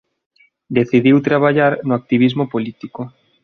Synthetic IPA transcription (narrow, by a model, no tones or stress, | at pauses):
d̪eθiðiwt̪ɾaβ̞aʎaɾnʊak̚t̪iβ̞izmopolit̪iko